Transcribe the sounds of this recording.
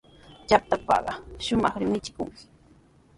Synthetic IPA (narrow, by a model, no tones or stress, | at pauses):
t͡ʃap̚t̪apɑ̰ɢɑʃʊmɑχɾɪmɪt͡ʃɪ̥kʊŋkɪ̥